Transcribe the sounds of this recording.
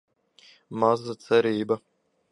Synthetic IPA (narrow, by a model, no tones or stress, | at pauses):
mazat̪sɛɾiːba